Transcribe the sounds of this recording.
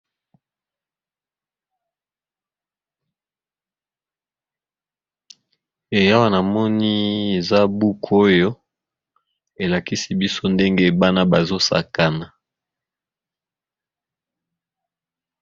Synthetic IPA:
e˨ja˦wa˦na˨mɔ˦ni˦e˨za˦bu˦kʰo˦jo˦ | e˨la˨ki˦si˨bi˦so˦nde˦ŋɡe˦ba˦na˦ba˨zo˦sa̰˨ka˨na˨

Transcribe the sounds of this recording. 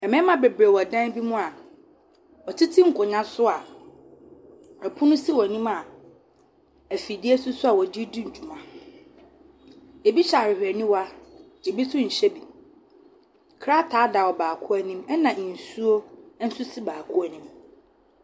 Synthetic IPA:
ɛ˨mɛ̃˦mã˦bɛ˨bɾe˨wɔ˨dã˦n˦bi˦mũ˦a˨ | ɔ˨tʰi˦tʰĩ˦ŋ̩˨kʰʊ˨ɲã˦sʊ˦a˨ | ɛ˨pʰʊ˦nʊ̃˦si˦wɔ˨nĩ˦ma˨ | æ˨fi˨di˦e˦sʊ˦sʊ˦a˨wɔ˨d͡ʑi˦dĩ˦ɲ̩˨d͡ʑᶣu˨mã˨ | e˨bi˦ɕa˨ɾɪ˨hᶣɛ˨nĩ˦wa˦ | e˨bi˦tʰʊ̃˦ɲ̩˨ɕɛ˦bi˨ | kʰa˦tʰaː˨˦da˨wɔ˨baː˨kʰʊ˦æ˨nĩ˦mɛ˦nã˨n̩˨su˦o˦n̩˦sʊ˦si˦baː˨kʰʊ˦æ˨nĩ˦m

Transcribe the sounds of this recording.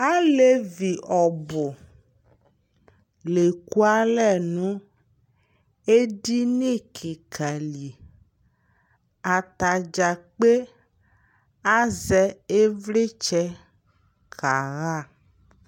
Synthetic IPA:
a˦le˦vi˨ʔɔ˨bʊ˨ | le˨ku˦a˦lɛ˦˨nũ˦ | e˦di˦ne˦˨kʰe˨kʰa˨li˨ | a˨t̪a˨d͡ʒa˨k͡pe˦ | a˦zɛ˦e˦vle˦t͡ʃɛ˦ | kʰa˨ɣa˦˨

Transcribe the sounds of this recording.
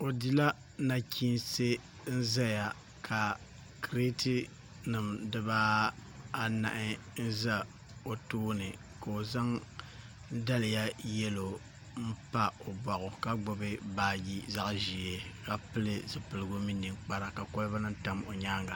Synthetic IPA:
o˨di˦la˦ | na˦kʰʲi˦nse˦ | n̩˦za˦ja˨ | kʰa˨ | kɾe˦ti˦ | nɨ˨mdɨ˦baː˦ | na̰˨ʔɪ˦ | n̩˦za˦ | o˨tuː˦nɨ˨ | ka˨o˨za˦ŋ | da˦lɪ˨ja˦jɛ˦lo˨ | m̩˦pa˦o˨ba˨ɣʊ˨ka˦ɡ͡bʊ˨bɨ˦baː˦ɡi˦za˦ʔʒi˨e˨ka˦pɨ˦lɨ˦zɨ˨pɨ˨lɨ˨˦ɡo˦mi˦nːɨ˨k͡pa˦ɾa˨ka˨ko˦lba˦nɨ˦n˦ta˦mo˨ɲaː˦ŋɡa˨

